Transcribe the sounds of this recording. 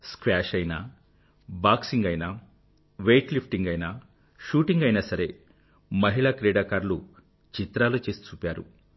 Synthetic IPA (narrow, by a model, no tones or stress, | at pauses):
skʋaːʃɐjnɐ | baːksiŋɡɐjnɐ | ʋejʈlipʰʈiŋɡɐjnɐ | ʃuːʈiŋɡɐjnɐsɐɾe̞ | mɐɦiɭakɾeːɽaːkaːɾlu | t͡ʃit̪ɾaːlut͡ʃeːsi̥t͡ʃuːpʲaːɾṵ